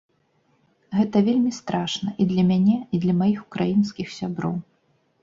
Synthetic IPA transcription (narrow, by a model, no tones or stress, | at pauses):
ɣɛt̪ɐvʲelʲmʲist̪ɾaʂnɐʔid̪lʲɐmʲanʲɛid̪lʲɐmajixukɾajinskʲixsʲabɾɔ̰w